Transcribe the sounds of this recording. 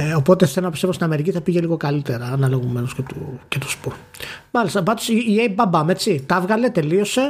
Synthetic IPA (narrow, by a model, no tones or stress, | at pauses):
opo̞t̪e̞θelonɐpist̪evost̪inɐme̞ɾiciθɐpiʝe̞liɣo̞kɐlit̪eɾɐːnɐloɣome̞noscet̪ucet̪u̥spuɾ | mɐlist̪ɐbɐt̪osiːebɐbɐme̞t͡sit̪ɐvɣɐle̞t̪e̞lio̞se̞